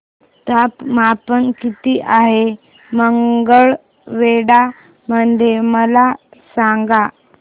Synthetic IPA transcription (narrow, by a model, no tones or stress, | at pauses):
t̪apmapənkit̪iːʔaɦe | məŋɡəɭ | ʋeɽa | mənd̪ʱjeməlasaŋɡa